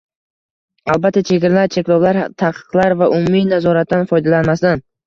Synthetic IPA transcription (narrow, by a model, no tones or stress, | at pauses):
alˠbat̪ʰːat͡ʃʰe̞ɡʲɾalaɾt͡ʃʰe̞kʲlˠɒwlaɾt̪ʰaqʰɨ̥qlˠaɾvaʔʊmuminazɒɾat̪̚ʰd̪anfɒjd̪alanmasd̪an